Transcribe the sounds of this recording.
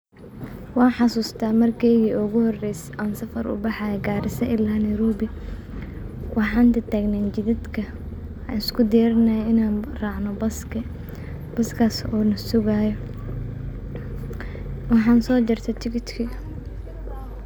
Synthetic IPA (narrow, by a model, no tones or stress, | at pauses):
wɑːnħɑsuːst̪ʰaːmɐrkʰɛːjɣiːʔʊɣʊhɔrɛjsʔɐnsɐfɐrʔʊ̰bɑħɑjɛɡaːɾɪsɐʔɪlaːnɐjɾɔːbɪ | wɑħɑːnt̪ɐt̪ʰaːɡnaːnt͡ʃɪðɪd̪kʰɐ | nɪskʰʊd̪ɛːɾɐnɐjɛɪnaːnrɑːʕnɔbɐsk | b̥ɐskʰasɔːnɐsʊɣaːjɔ | wɑħɑːnsɔːd͡ʒɪrt̪ʰɐt̪ʰɪkʰɪt̪kʰɪ